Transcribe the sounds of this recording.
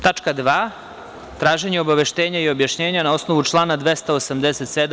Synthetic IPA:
t̪at͡ʃkad̪ʋaː | t̪ɾaːʒe̞ɲeo̞baʋe̞ʃt̪e̞ːɲaio̞bjaʃɲeːɲanao̞sno̞ʋut͡ʃlˠaːnad̪ʋest̪aosamd̪eset̪sed̪

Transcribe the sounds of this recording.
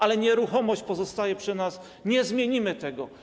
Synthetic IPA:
ʔalɛɲɛɾuxɔmɔɕt͡ɕpɔzɔst̪ajɛpʂɘnas | ɲɛzmʲjeɲimɘt̪ɛɡɔ

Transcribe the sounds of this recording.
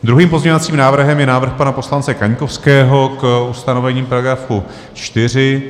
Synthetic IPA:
d̪ɾuɦiːmpo̞zɲɛovat͡siːmnaːvr̩ɦɛmjɛnaːvr̩xpanapo̞slant͡sɛkaɲko̞fskɛːɦo̞kust̪ano̞vɛɲiːmpaɾaɡɾafu | t͡ʃt̪ɪr̝ɪ

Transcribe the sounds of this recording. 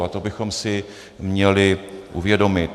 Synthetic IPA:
at̪o̞bɪxo̞msɪ | mɲɛlɪʔuvjɛdo̞mɪt̪

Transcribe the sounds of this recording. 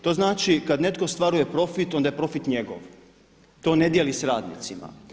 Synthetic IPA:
t̪o̞znaːt͡ʃikad̪ne̞t̪ko̞st̪ʋaɾuje̞pɾo̞fit̪o̞nd̪ajepɾo̞fit̪ɲeɡo̰ʋ | t̪o̞ːne̞d̪jelisɾaːd̪nḭt̪sima̰

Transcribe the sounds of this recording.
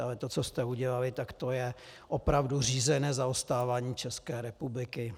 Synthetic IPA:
alɛt̪ot͡sost̪ɛuɟɛlalɪt̪akt̪ojɛʔopɾavdur̝iːzɛnɛːzaost̪aːvaːɲiːt͡ʃɛskɛːɾɛpublɪkɪ

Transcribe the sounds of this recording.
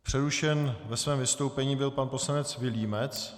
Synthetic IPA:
pr̝̥ɛɾuʃɛnvɛsvɛːmvɪst̪owpɛɲiːbɪlpanpo̞slanɛt͡svɪliːmɛt͡s

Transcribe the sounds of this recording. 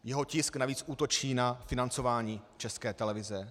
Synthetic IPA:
jɛɦo̞cɪsknaviːt͡sʔuːt̪o̞t͡ʃiːnafɪnant͡so̞vaːɲiːt͡ʃɛskɛːt̪ɛlɛvɪzɛ

